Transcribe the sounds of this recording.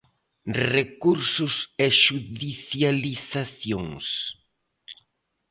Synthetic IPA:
rekuɾsʊseʃuðiθjaliθaθjoŋs

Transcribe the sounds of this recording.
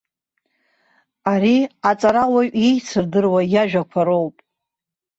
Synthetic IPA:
aɾiat͡sʼaɾawaɥejt͡sʰɨrdɨrwajaʒᶣakʷʰaɾo̞wpʼ

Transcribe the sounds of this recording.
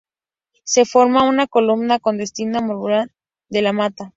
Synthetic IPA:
se̞fo̞ɾmaunako̞lumnako̞nd̪e̞st̪inamoɾuɾa | d̪e̞lamat̪a

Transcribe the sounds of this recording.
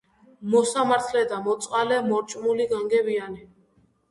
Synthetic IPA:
mɔsamaɾt̪ʰlɛd̪amɔt̪sʼqʼalɛmɔɾt͡ʃʼmuliɡaŋɡɛbiani

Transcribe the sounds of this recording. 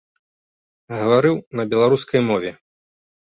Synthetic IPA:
ɣɐvaɾɨwnɐbʲɛlˠaɾuskɐjmɔvʲɛ

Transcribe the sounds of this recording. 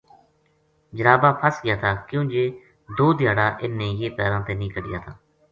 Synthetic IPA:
d͡ʒəɾaːbaːpʰəsɡɪjaːt̪ʰaːkjõːd͡ʒeː | d̪oːd̪ɪjaːɽaːʔɪnːeːjeːpɛːɾãːt̪eːnĩːkəɖɪja̰ːt̪ʰaː

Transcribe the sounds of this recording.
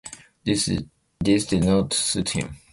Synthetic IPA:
disdidnɔtsuthḭ̃m

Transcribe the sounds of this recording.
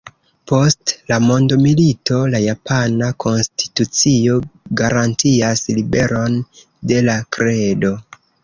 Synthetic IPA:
po̞stlamo̞ndomilito̞lajapanakʰo̞nstʰi̥tut͡sio̞ɡaɾantiaslibe̞ɾo̞n | de̞lakɾe̞do̞

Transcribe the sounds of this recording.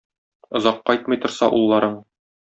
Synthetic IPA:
ŏzɑqːɒjt̪mɤ̆jt̪ŏɾsɑ̰ʔulˠːɑɾɤɴ

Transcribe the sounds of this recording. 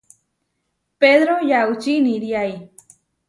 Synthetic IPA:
peðɾojaut͡ʃiniɾjaj

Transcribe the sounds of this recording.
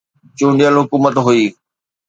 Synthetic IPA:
t͡ɕũːɳɖijəlɦʊkuːmət̪ɦuiː

